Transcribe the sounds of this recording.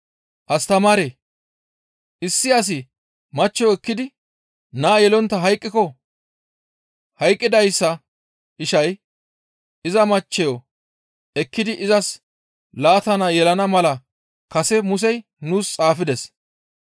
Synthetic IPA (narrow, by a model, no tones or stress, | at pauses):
ʔɐst̪ɐmaːɾeː | ʔɪsːɪɐs̬ɪ | mɐt͡ʃːɛjɔɛkːɪd̪ɪ | naːjɛlɔnt̪ːɐɦɐjkʼːɪkɔ | hɐjkʼːɪd̪ɐjsːɐ | ʔɪʃɐj | ɪzɐmɐt͡ʃːɛjo | ɛkːɪd̪ɪʔɪzɐs | laːt̪ɐnɐjɛlɐnɐmɐlɐ | kɐsɛmʊs̬ɛj | nuːst͡sʼaːfɪd̪ɛs